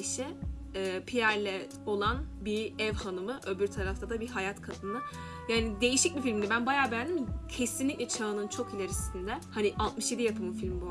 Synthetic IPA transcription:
ʃɛɛːpʰijæɾlʲɛ | o̞lˠanbiɛvhanɯmɯʔø̞byɾt̪ʰaɾaft̪ʰad̪abiɦajat̪kʰat̪ʰɯnɯ | jaːnid̪e̞jiʃic̚bʲifilʲmd̪ɛbænbajaːbɛjand̪imcʰe̞sinlʲiclʲɛt͡ʃʰaɯnɯnt͡ʃʰo̞kilʲe̞ɾisind̪ɛhaniʔalˠt̪mɯʃje̞d̪ijapʰɯmɯfilʲmbu

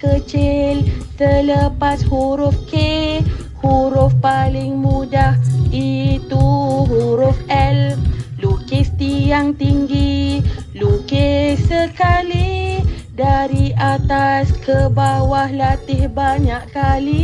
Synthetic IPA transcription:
kət͡ʃɪlt̪ələpashuɾʊfke | huɾʊfpalɪŋmũdahit̪uɦuɾʊfɛlflukest̪ijaŋt̪iŋɡi | lukesəkali | daɾiʔat̪askʰəbawahlat̪ɪhbaɲaʔkali

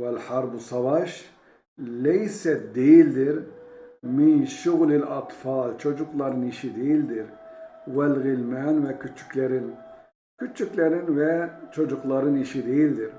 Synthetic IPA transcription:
wɛlħaɾbusɑvɑʃ | lɛjsɛt̪̚d̪eld̪ɪɾ | minʃʊɣlɪlɑt̪ˤfɑːlt͡ʃʰɔd͡ʒuqlɑɾiniʃid̪eld̪iɾwɛlɣɪlmɛnwɛkʰut͡ʃʰu̥klɛɾɪn | kʰut͡ʃuklɛɾinwɛt͡ʃʰɔd͡ʒuqlɑɾiniʃid̪ejld̪ɪɾ

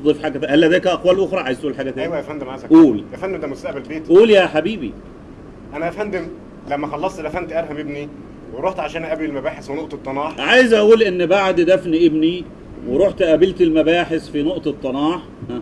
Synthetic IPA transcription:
d̪ˤilfiħaːɡæt̪æhælːhæd̪æjkæʔæxwæːlʔoxɾˤɑʕajezt̪ʔuːlħaːɡæt̪æːjwææfænd̪emʕajzæʔuːljæfænd̪emd̪æmost̪æʔbælbeːt̪ʔuːljæħabiːbḭ | ʔænæfænd̪em | læmːæxɑlːɑsˤt̪d̪æfænt̪ʔæɾˤɦæmʔebni | weɾˤoħt̪ʕaʃæːnʔæbelelmæbæːħesfinoʔt̪ˤet̪ˤːɑnɑːħʕajezʔæʔuːlʔenːbaʕd̪d̪æfniʔebni | weɾˤoħt̪ʔæbelt̪elmæbæːħesfinoʔt̪ˤet̪ˤːɑnɑːħ | hæ

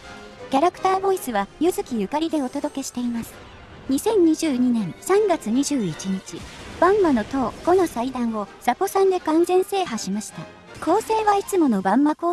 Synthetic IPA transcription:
kʲaɾakɯ̥t̪aːbo̞isɨβajɯzɨkʲijɯ̟kaɾʲid̪e̞o̞t̪o̞d̪o̞ke̞ɕi̥t̪e̞imasɨ̥ | ɲ̟isẽ̞ɲ̟ɲiʑɨːɲ̟inẽ̞ɰ̃sãŋɡat͡sɨɲ̟iʑɨːit͡ɕiɲ̟it͡ɕib̥ãmːano̞t̪o̞ːɡ̥o̞nosaid̪ãɰ̃o̞z̥apo̞sãnd̪e̞kãnzẽ̞ɰ̃se̞ːɦaɕimaɕi̥t̪a | kʰo̞ːse̞ːβait͡sɨmo̞no̞bãmːako̞ː

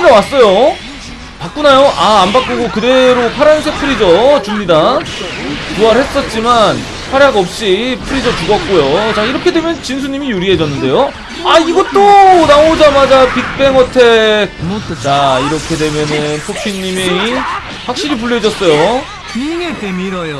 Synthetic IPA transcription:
d͡ʑawas͈ʌjo | pak͈unajoʔaːmbak͈oɡokɯde̞ɾopʰaɾjansʰepʰɯɾid͡ʑʌt͡ɕumɲida | kuaɾhe̞s͈ʌt̚t͡ɕ͈iman | pʰaɾjaɡʌp̚ɕ͈ipʰɯɾid͡ʑʌt͡ɕuɡʌk̚k͈ojot͡ɕaiɾʌkʰe̞dwe̞mjʌnt͡ɕins̬ʰuɲimijuɾiɦe̞d͡ʑʌnːɯnde̞jo | aiɡʌt͈onaod͡ʑamad͡ʑapik̚p͈e̞ŋwʌtʰe̞ | t͡ɕaiɾʌkʰe̞dwe̞mjʌnɯnpʰopʰiɲːimi | ɸwak̚ɕ͈iɾip̬uɭːed͡ʑʌs͈ʌjo | eɾj

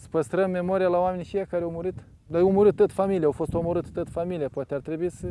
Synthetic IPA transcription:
sə̥pəst̪ɾəmːe̞mo̞ɾijalawame̞nʲfijakaɾeawmuɾɨt̪ | d̪ajawmuɾɨt̪̚ːot̪familijeawfo̞st̪o̞moɾɨt̪t̪ot̪familijepoat̪eart̪ɾebuisə

